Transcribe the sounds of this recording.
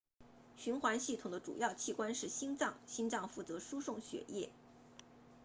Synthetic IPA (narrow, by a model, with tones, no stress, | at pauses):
ɕy˧˥nxwa˧˥nɕi˥˩t̪ʰʊ˨˩d̪ə˦ʈ͡ʂṵ˨˩jɑ˥˧ʊt͡ɕʰi˥˩kwa˥nʂɻ̩˥˩ɕi˥nt͡sɑ˥˩ŋɕi˥nʈ͡ʂɑ˥˧ŋfu˥˩t͡sɤ˧˥ʂu˥ʂʊ˥˩ŋɕɥɛ̰˨˩jɛ̰˥˩